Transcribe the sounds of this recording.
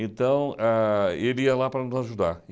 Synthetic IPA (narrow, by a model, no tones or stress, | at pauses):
ẽnt̪ɐ̃w̃aiɾiɐlapɾɐnʊzaʒud̪a̰ɾ